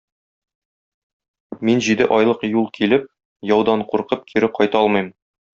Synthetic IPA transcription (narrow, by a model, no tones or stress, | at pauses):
minʑid̪ɘʔɒjlˠɤqjulˠkʰilɘp̚ | jɒwd̪ɑɴquɾqɤp̚kʰiɾɘqʰɒjt̪ɑɒlˠmɤ̆jm